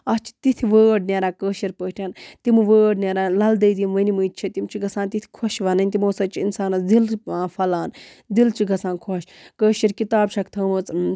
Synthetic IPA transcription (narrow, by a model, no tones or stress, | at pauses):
ɐst͡ʃʰi̥t̪it̪ʰiʋəːɖnʲeːɾaːkəːʃiɾpəːʈʰʲaːnt̪imɨʋəːɖnʲeɾaːlɐld̪ɐjd̪imʋənimɨjt͡ʃʰit̪imt͡ʃʰiɡɐsãːnt̪it̪ʰʲi̥kʰoʃʋɐnɐnʲt̪imoːsɐt͡ʃʰiinsaːnɐd̪ilaːfɐlaːnd̪ilt͡ʃʰiɡɐsãːnkʰoʃkəːʃiɾkit̪aːbt͡ʃʰɐkt̪ʰɐːmɨt͡s